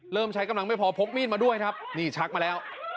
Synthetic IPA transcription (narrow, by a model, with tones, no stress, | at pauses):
ɾɤː˥˩mt͡ɕʰa˦˥jka˧mla˧ŋma˥˩jpʰɔː˨˦pʰo˦˥k̚miː˥˩t̪maː˧du˥˩əjkʰa˦˥p̚niː˥˩t͡ɕʰa˦˥k̚maː˧lɛː˦˥w